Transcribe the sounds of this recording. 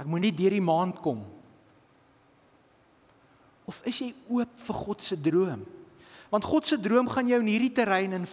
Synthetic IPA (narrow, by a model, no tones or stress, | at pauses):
ækmunɛt̚dyəɾdimɑːntkɔm | ɔfəsjɛjuəpfərχɔtsədruəm | vɐntχɔtsədruəmχɐnjœwənɦiːɾditəɾɛjnən